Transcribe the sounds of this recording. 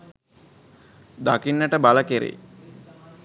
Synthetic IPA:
d̪akinːəʈəbaləkeɾḛ

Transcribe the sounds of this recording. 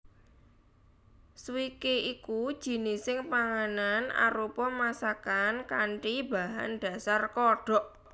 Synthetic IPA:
swikeʔikud̥ʒ̥i̤nɪsɪŋpaŋanana̰ɾupɔmasakankaɳʈiba̤ɦand̥a̤sarkɔɖ̥ɔ̤ʔ

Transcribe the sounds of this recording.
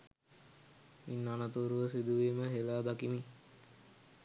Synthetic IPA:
inːanat̪uːɾuʋəsid̪uʋiːməɦelaːd̪akimi

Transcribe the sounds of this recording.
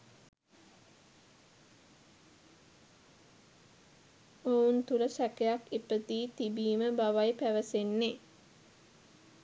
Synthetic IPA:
ount̪uləsækejakipət̪iːt̪ibiːməbaʋajpæʋəsenːe

